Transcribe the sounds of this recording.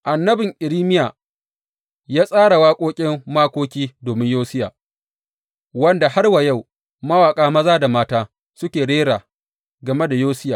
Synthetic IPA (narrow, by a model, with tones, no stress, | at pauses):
ʔa˨nːɐ˦bɪ˨ŋʔɪ˨ɾiː˦mɪ˦jaː˨ | jaː˦sʼaː˦ɽa˨waː˦kʷʼoː˦kʲʼɪ˦mːaː˦kʷoː˦kʲiː˦doː˨mɪ˦ɲjoː˦sɪ˦ja̰ː˨ | wɐ˦nda˨ha˦rwa˨ja˦˨w | mɐ˦waː˨kʼaː˦mɐ˦zaː˦da˨maː˦taː˦ | sʊ˦kʲeː˨ɽeː˦ɾaː˨ | ɡɐ˨me˦da˨joː˦sɪ˦jaː˨